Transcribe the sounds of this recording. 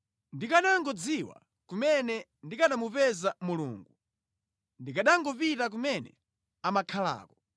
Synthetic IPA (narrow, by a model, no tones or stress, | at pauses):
ndikaɗaŋɡɔd͡ziwa̰ | kumɛnɛ | ndikaɗamupɛzamulṵːŋɡu | ndikaɗaŋɡɔpitak̬umɛnɛ̰ | amakʰala̰ːkɔ̥